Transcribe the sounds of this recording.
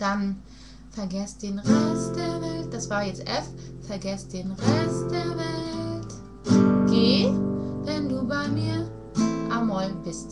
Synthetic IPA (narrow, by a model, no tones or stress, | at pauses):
d̥an | fɛɐɡɛstd̥eːnʁɛst̚d̥eːɐvɛlt̚d̥asv̥aːjɛt͡stʔɛffɛɐɡɛstd̥eːnʁɛst̚d̥eːɐvɛlt | ɡ̥eːvɛnduːbaɪmiːɐ | ʔamɔlbɪst